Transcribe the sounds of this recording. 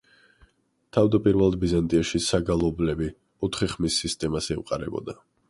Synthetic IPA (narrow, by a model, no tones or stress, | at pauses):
t̪ʰavd̪apʼiɾvɛlˠad̪̚bizant̪ʼiaʃisaɡalˠɔblɛbi | ɔt̪ʰχiχmisːist̪ʼɛmasɛṵqʼaɾɛ̰bɔ̰d̪a